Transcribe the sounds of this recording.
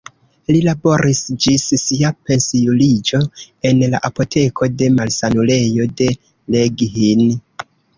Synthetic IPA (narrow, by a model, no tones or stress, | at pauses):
lilabo̞ɾisd͡ʒissiape̞nsijulid͡ʒo̞ | e̞nla̰ʔapo̞tʰe̞kʰo̞de̞malsanule̞jo̞de̞ | leɡɦin